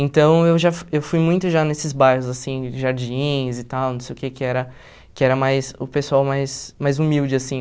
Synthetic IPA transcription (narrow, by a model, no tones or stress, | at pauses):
ẽnt̪ɐ̃w̃ewʒafewfujmũj̃t̪ʊʒanesɪzbajhʊzasĩʒaɾd͡ʒĩzɪt̪awnõw̃sejʊkekɪɛɾɐ | kɪɛɾɐmajsʊpesuawmajsmajzumiwd͡ʒɪasĩ